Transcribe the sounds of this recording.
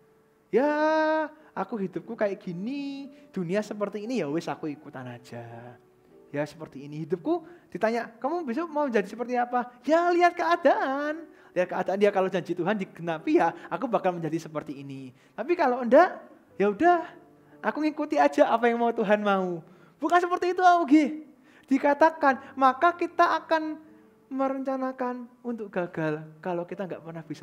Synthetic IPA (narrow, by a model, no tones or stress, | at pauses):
ja | akuɦidʊp̚kukajaʔɡ̥inid̥uniasəpərt̪iːnijawɪsakuikut̪anad͡ʒ̥a | jasə̥pərt̪iːnihidʊp̚kud̥it̪aɲaʔkəmubisumaud͡ʒadisəpərt̪iapajaliat̪̚kəadaʔan | liat̪̚kəadaandiakalod͡ʒaɲd͡ʒit̪uɦandiɡənapijaakubakalməɲd͡ʒadisəpərt̪iːni | t̪ap̬ikalowənda | jaudah | ʔakuŋikut̪iḁd͡ʒaʔapajaŋmaut̪uɦanmau | b̥ukansəpərt̪iːt̪uauɡɪ | d̥ikat̪akanmakakit̪aːkan | məɾəɲt͡ʃanakanunt̪ʊk̚ɡ̥aɡ̥alkalokit̪aŋɡaʔpərnahb̥isa